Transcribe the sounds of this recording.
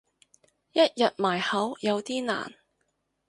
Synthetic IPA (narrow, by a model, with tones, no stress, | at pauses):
jɐ˥t̚jɐ˨t̚maː˨˩jhɐ˨˥wjɐ˨˧wt̪iː˥na̰ː˨˩n